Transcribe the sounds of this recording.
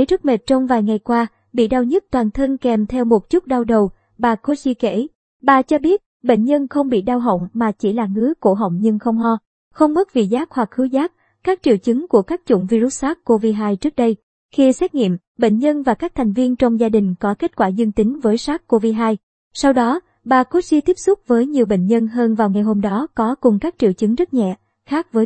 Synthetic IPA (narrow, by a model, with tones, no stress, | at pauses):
ə˨˦jɾɨ˦˥k̚me˨˩t̚t͡ɕɔ˧wŋ͡mvaː˨˩jŋa˨˩jkwaː˧ | ɓḭ˧˨ɗaː˧wɲə˦˥t̚t̪waː˨˩nt̪ʰə˧ŋkɛ˨˩mt̪ʰɛ˧wmo˨˩t̚t͡ɕʊ˦˥t̚ɗa˧wɗə˨˩w | ɓaː˨˩ko˨˦t͡ɕi˧kḛ˧˩˨ | ɓaː˨˩t͡ɕɔ˧ɓi˦˥ət̚ɓḛ˧˨ŋ̟ɲə˧nxə˧wŋ͡mɓḭ˧˨ɗaː˧wɦə̰˧˨wŋ͡mmaː˨˩t͡ɕi˧˩laː˨˩ŋɨ˨˦əko˧˩ɦə̰˧˨wŋ͡mɲɨ˧ŋxə˧wŋ͡mɦɔ˧ | xə˧wŋ͡mmə˦˥t̚vḭ˨˩zaː˦˥k̚hwa˨˩k̚xɨ˨˦zaː˦˥k̚ | kaː˦˥k̚t͡ɕḭ˧˨əwt͡ɕɨ˨˦ŋku˧˩əkaː˦˥k̚t͡ɕʊ̰˧˩˨ŋ͡mvi˧ɾu˦˥t̚saː˦˥kko˧vi˧ɦaː˧jt͡ɕɨ˦˥ək̚ɗə˧j | xi˧sɛ˦˥t̚ŋḭ˧˨əm | ɓḛ˧˨ŋɲə˧nvaː˨˩kaː˦˥k̚t̪ʰɛ˨˩jŋ̟vi˧ənt͡ɕɔ˧wŋ͡mzaː˧ɗï˨˩ŋ̟kɔ˨˦ke˦˥t̚kwaː˧˩zə˧nt̪ï˨˦ŋvəː˨˦jsaː˦˥k̚kːo˧vi˧ɦaː˧j | sa˧wɗɔ˨˦ | ɓaː˨˩ko˦˥t̚si˧t̪i˦˥p̚sʊ˦˥k͡p̚vəː˨˦jɲi˨˩əwɓḛ˧˨ŋ̟ɲə˧nɦəː˧nvaː˨˩wŋa˨˩jɦo˧mɗɔ˨˦kɔ˨˦kʊ˨˩ŋ͡mkaː˦˥k̚t͡ɕḭ˧˨əwt͡ɕɨ˨˦ŋzə˦˥t̚ɲɛ̰˧˨ | xaː˦˥k̚vəː˨˦